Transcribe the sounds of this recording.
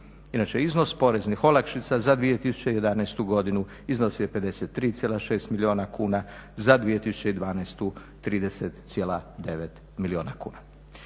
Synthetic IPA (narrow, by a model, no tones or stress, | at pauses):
inat͡ʃeizno̞spo̞ɾe̞znixo̞lakʃit̪sazad̪ʋijet̪isu̥t͡ɕejed̪anɛjst̪uɡo̞d̪inu | izno̞sijepe̞d̪e̞set̪ːɾiːt̪sʲjelˠaʃe̞ːst̪milio̞ːnakuːnazad̪ʋije̞t̪isu̥t͡ɕeid̪ʋaːnaest̪u | t̪ɾiːd̪eset̪sjelad̪e̞ʋet̪ | milio̞ːnakṵːna